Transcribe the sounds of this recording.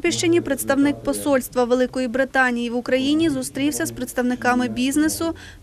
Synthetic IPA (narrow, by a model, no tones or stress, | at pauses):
pʲiʃt͡ʃenʲipɾet̪st̪ɐwnɪk̚pɔsɔlʲst̪ʋɐʋelˠɪkɔjibɾɪt̪ɑnʲijiʋʊkɾɐjinʲizʊst̪ɾʲiwsʲɐspɾet̪st̪ɐwnɪkɑmɪbʲiznesʊ